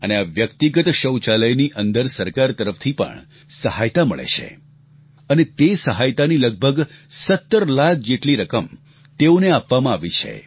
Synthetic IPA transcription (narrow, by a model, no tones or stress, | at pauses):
əneaʋjəkt̪iɡət̪ʃəwt͡ʃaləjniʔənd̪əɾsəɾkaɾt̪əɾəft̪ʰipə̰ɳ | səɦajt̪amə̰ɭḛt͡ʃʰḛ | ənet̪esəɦajt̪aniləɡ̚bʱəɡsət̪ːəɾlak̚ʰd͡ʒeʈliɾəkəm | t̪eoneapʋamãaʋit͡ʃʰḛ